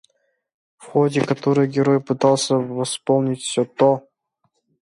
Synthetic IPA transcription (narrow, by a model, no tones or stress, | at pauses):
fxodʲɪkɐt̪oɾɨjɡʲɪɾojpɨt̪ɑlˠsʲəvɐspolˠnʲɪtʲfsʲot̪o